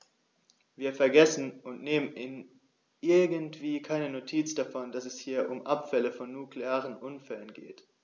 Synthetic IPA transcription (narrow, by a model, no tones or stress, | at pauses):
viːɐfɛɐɡɛsn̩ʊntneːmənɪn | ʔɪɐɡəntv̥iːkʰaɪnənotʰiːt͡sd̥afɔndasɛshiːɐʔʊmʔapfɛləfɔnːukleaːʁənʔʊnfɛlənɡḛːt